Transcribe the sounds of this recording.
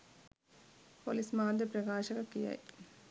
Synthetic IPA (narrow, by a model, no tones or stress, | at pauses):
poːlismaːd̪ɐpɾɐɡaːɕɐɣɐkːija̰ːji